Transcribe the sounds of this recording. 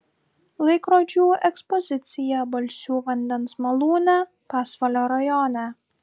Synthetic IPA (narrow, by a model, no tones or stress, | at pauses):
lˠɐɪkɾoːd͡ʒʲuːʔɛkspɔzʲɪt̪sʲɪjɛbɐlʲsʲuːʋɐnʲd̪ʲɛnsmɐlˠuːnʲɛ | pɑːsʋɐlʲoːɾɐjɔnʲɛ